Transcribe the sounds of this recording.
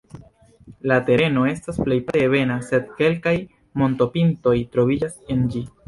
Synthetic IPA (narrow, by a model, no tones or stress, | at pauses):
late̞ɾe̞no̞e̞stasple̞jpaeβe̞nase̞d̚ke̞lkaj | mo̞nto̞pinto̞jtɾo̞vid͡ʒase̞nd͡ʒi